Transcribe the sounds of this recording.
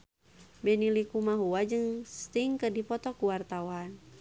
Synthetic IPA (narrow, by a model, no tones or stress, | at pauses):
bɛnilikumaɦuad͡ʒɨŋst̪iŋkədipɔt̪ɔkuwart̪awan